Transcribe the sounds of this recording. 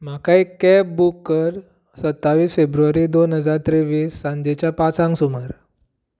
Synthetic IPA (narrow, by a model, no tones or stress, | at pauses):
m̤akaikɛp̚bukːəɾ | sət̪ːaʋiːsfebɾuʋaɾiːd̪onɦəd͡zaɾt̪ɾeʋiːsːãɲd͡ʑet͡ɕjapat͡sãŋksuməɾ